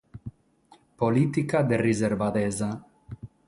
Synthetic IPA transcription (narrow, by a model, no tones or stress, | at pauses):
poliːt̪ikad̪erizeɾvad̪ɛːza